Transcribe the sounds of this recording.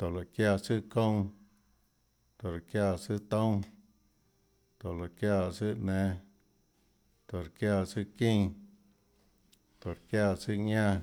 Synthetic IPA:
t̪o˨la˨kja˦˧˨t͡sɨ˦kõ˦w̃ | t̪o˨ɾa˨kja˦˧˨t͡sɨ˦t̪õ˦w | t̪o˨la˨kja˧t͡sɨ˦ʔnɛ̃˧ | t̪o˨ɾkja˦˧t͡sɨ˦kĩ˦˧ŋ | t̪o˨ɾkja˧˨t͡sɨ˦ɲã˦

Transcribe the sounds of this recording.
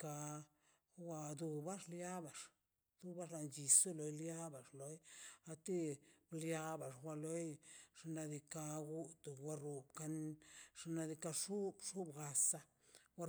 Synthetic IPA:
ka˧ | wa˧d̪u˧ba˦ʐlja˦ba˨ʂ | d̪̥u˦ba˦ʃla˨nd͡ʒi˨su˦lo˨jlja˦ba˨ʐlo˨˦ja˧t̪i˦blja˦ba˨ʐwʷa˧lo˦jʂa˧na˧d̪i˧ka˧ɡu˦t̪u˨wa˧ɾu˨bka˧nʐ̥a˧na˧d̪i˧ka˧ʂu˦bʂu˦bɡa˨sa˧ | wa˦

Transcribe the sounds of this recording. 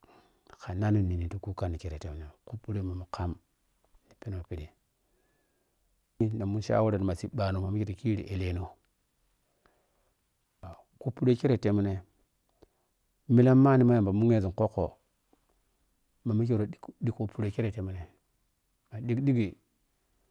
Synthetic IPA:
ka˨na˦nu˨ni˨ni˨tu˦ku˦ka˦ni˨ke˨ɾe˨te˨mu˨ne˨ku˦pːu˦ɾe˦ma˨mu˨ka˦m | ni˨pi˦no˨pi˨di˨˦ | na˨mu˦ʃa̰˦wo˦ɾe˨n˨ma˨si˨ɓa˨no˨ma˨mi˦ki˦ɾo˨ki˦ɾḭ˨ʔe˨le˨no˦ | a˨ | ku˦pːu˦ɾe˦ke˦ɾe˨te˨mu˦ne˨ | mi˦la˦mːa˦ni˨ma˦a˨mba˨mu˦ŋe˦zi˨ko˦kːo̰˨ | ma˨mu˦k̬i˦ɾo˨˦ɗi˦ko˨pu˦ɾe˦ke˦ɾe˨te˨mu˦ne˨ | ma˨di˦kɗi˦ɡi˨

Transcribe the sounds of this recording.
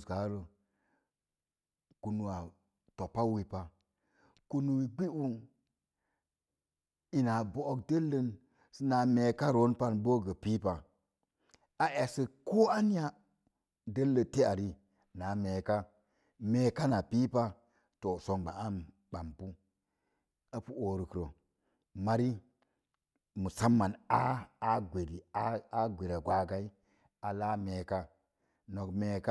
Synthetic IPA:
ɡa˨˦ɾə˨ | ku˨nu˨wa˨ | to˨pa˦wi˦pa˨ | ku˦nu˦wi˨ɡ͡bi˦u˦n | i˨na˨bo˦o˦kdə˦lːə˦n | sə˦na˨˦me˨ka˦ɾo˨˦npa˦nbo˦ɡə˨pi˦pa˨ | a˦ʔe˨sə˨ko˦a˦ni˦ja˦ | də˦lːə˨te˦a˨ɾi˦ | na˨˦me˨ka˦ | me˨˦ka˦na˨pi˦pa˦ | to˨so˨ŋɡ͡ba˨a˦n | ɓa˨mpu˦ | a˦pu˦o˨ɾi˨kɾo˨ | ma˦ɾi˦ | mu˨sa˦mːa˨na˦a˦ɡʷe˨ɾi˨a˦a˦ɡʷe˨ɾa˨ɡʷa˨ɡa˦i˦ | a˨la˦me˨ka˦ | no˨kme˨ka˦

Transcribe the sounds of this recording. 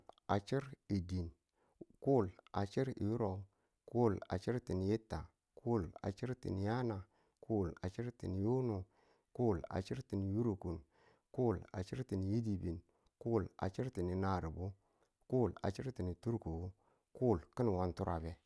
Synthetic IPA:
a˨t͡ʃi˦ɾi˨di˨n | ku˦˨la̰˨t͡ʃi˦ɾḭ˨ju˦ɾo˨ | ku˦˨la̰˨t͡ʃi˦ɾti˨n˨je˦tːa˨ | kʰu˦˨la̰˨t͡ʃi˦ɾtḭ˨n˨ja˦na˨ | kʰu˦˨la̰˨t͡ʃi˦ɾtḭ˨n˨jo˦nu˨ | ku˦˨la̰˨t͡ʃi˦ɾti˨n˨ju˦ɾu˨ku˨n | ku˦˨la̰˨t͡ʃi˦ɾti˨n˨ji˦di˨bi˨n | ku˦˨la̰˨t͡ʃi˦ɾti˨ni˨na˨ɾi˨bu˦ | ku˦˨la̰˨t͡ʃi˦ɾti˨ni˨tu˦ɾku˨u˦ | ku˦˨lki˦n˨wa˨ntu˦ɾʔa˨be˨

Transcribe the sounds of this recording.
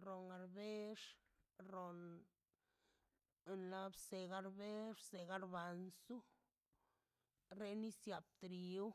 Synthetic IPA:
ɾo˨ŋɡa˨ɾbe˦ʂ | ɾo˨n | nla˦bse˨ɡa˧ɾbe˦ʂse˨ɡa˦ɾba˨nsu˦ | ɾe˦ni˦sja˨b̚t̪ɾi˨u˦

